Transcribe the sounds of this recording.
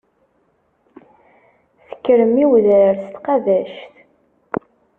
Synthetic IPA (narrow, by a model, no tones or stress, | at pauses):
θə̥kːɾəmiwðəɾst̪qɑðæʃθ